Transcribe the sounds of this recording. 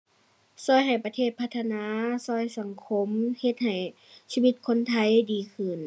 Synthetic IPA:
sɔː˧˩jɦa˨˩jpa˧eː˧˩t̪̚pʰa˧t̪ʰːa˧naː˧˥sɔː˧˩jsa˨˦ŋkʰo˧˥mhe˧t̪̚ha˨˩j | siː˧wi˧˩t̪̚kʰo˧˥nt̪ʰa˧˩jdiː˨kʰɯ˧˩n

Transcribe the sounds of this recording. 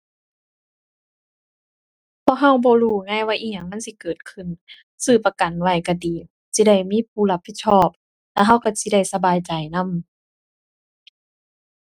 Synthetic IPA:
pʰɔ˧˨k̚ɦa˧˥˩wbɔː˧˦luː˧˩ŋaː˧˥˨jwaː˧˨ʔiː˧˩ɲa˧˩˨ŋma˧˥˨nsi˧˦kɤː˨˩t̪̚kʰɯ˧˩n | sɯː˧˩pa˧ka˨nwa˧˩jka˧˩diː˨˩ | si˧˦da˧˩jmiː˧˥˨p̚ʰuː˧˩la˧pʰːi˧t̪̚sʰɔː˧˥˩p̚ | lɛ̰ː˧ɦa˧˥˨wka˧˩si˧˦da˧˩jsa˧baː˨jt͡ɕa˨˩jna˧˥˨m

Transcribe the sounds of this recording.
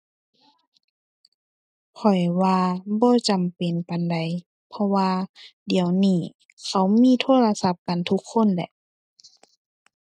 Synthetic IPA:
pʰɔ˨˩jwaː˧bɔː˧˦t͡ɕa˨mpe˨npa˨nda˨j | pʰɔ˧waː˧di˨əwniː˧˩ | kʰa˧˩wmiː˧˥˨t̪ʰoː˧˥˨la˧sa˧p̚ka˨nt̪ʰu˧˦˥kʰːo˧˥˨nlɛ̰˧˦ʔ

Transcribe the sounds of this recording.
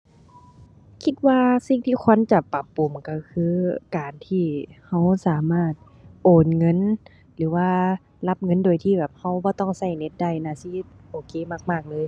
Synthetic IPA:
kʰi˧˥t̪̚waː˧si˧˩ŋt̪ʰiː˧kʰo˧˥˨nt͡ɕa˧˩pa˧˩pːu˨˩mka˧˩kʰɯː˧˥kaː˨˩nt̪ʰiː˧˩ha˧˥˩wsaː˨˦maː˧˥˩t̪̚ | ʔoː˨˩nŋɤ˧˥˨n | lɯː˨˦waː˧ | la˧˥p̚ŋɤ˧˥˨ndoː˨˩jt̪ʰiː˧˩bɛː˨˩p̚ha˧˥˩wbɔː˧˦t̪ɔ˧˥˩ŋsa˧˩jne˧˦t̪̚da˧˩jnaː˧˩˨si˧˦ʔoː˨˩kʰeː˧˦maː˧˩k̚maː˧˩k̚lɤː˧˥˨j

